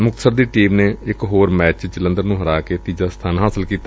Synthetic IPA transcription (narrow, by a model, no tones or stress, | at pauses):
mʊk̚t̪ə̥səɾd̪iːʈiːmneːɪkɦoːɾmɛːt͡ʃd͡ʒələ̃nd̪əɾnũːɦəɾaːkeːt̪iːd͡ʒaːst̪ʰaːnɦaːsəlkiːt̪a